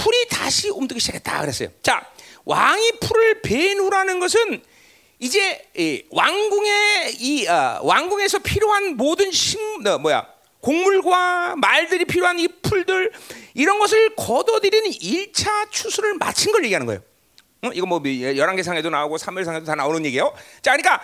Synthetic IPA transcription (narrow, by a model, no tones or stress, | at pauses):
pʰuɾita̰ɕʰiomtɯɡiɕʰid͡ʑakʰet̚t͈a̰kɯɾes͈ʌjo̰t͡ɕawʔa̰ŋipʰuɾɯɭpenuɾanɯnɡʌs̬ʰɯn | id͡ʑe̞waŋɡuŋeiawʔaŋɡuŋe̞sʰʌpʰiɾjoɦanmodɯnɕʰiŋʌmʌja̰ | koŋmuɭɡwamaɭdɯɾipʰiɾjoɦanipʰuɭdɯɭiɾʌnɡʌs̬ʰɯɭkʌdʌdɯɾiniɭt͡ɕʰat͡ɕʰusʰuɾɯɭma̰t͡ɕʰɯnɡʌɭjeɡiɦanɯnɡʌ̰jo̰ | iɡʌmwʌjʌɾaŋɡesʰaŋɦe̞donaoɡosʰamʌɭsʰaŋɦe̞dotanaonɯnɲje̞ɡiejot͡ɕakɯnik͈a